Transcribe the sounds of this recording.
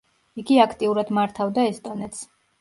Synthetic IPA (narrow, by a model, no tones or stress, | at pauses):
iɡiakʰt̪ʼiuɾad̪maɾt̪ʰavd̪aɛst̪ʼɔnɛt̪sʰ